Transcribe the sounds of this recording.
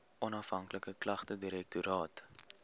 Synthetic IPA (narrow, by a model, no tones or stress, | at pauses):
ʔɔnɐfɦɐŋkləkəklɐχtədiɾɛk̚tuɾɑːt